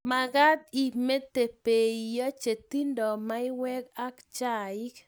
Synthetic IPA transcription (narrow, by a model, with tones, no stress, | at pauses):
ma˨ɡa˦d̪̚i˨me˦t̪e˨pe˨ija˦t͡ʃe˨t̪i˦ndɔ˨ma˦ɪ˦wɛ˦ka˦kt͡ʃa˨ɪ˦k